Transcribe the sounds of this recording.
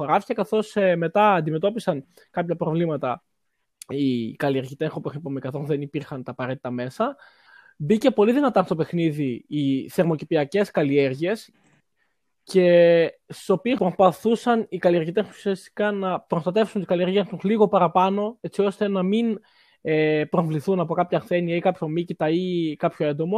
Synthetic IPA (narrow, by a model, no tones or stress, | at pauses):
oɾɐfi̥cekɐθo̞sme̞t̪ɐːnd̪ime̞t̪o̞pisɐn | kɐpçɐpɾo̞vlimɐt̪ɐ | ikɐlieɾʝit̪eŋxopuxipomekɐθo̞zðe̞nipiɾxɐnt̪ɐːpɐɾe̞t̪i̥t̪ɐme̞sɐ | bice̞po̞liðinɐt̪ɐst̪o̞pe̞xniðiːθe̞ɾmo̞cipiɐce̞skɐlie̞ɾʝie̞s | ce̞st̪i̥so̞piespɾospɐθusɐnikɐliɐɾʝit̪esususiɐst̪i̥kɐnɐpɾo̞st̪ɐt̪e̞fsunt̪ikɐlie̞ɾʝiet̪usliɣo̞pɐɾɐpɐno̞e̞t͡sio̞st̪e̞nɐmin | epɾoɱvliθunɐpo̞kɐpçɐθe̞niɐikɐpço̞micit̪ɐikɐpço̞e̞nd̪o̞mo̞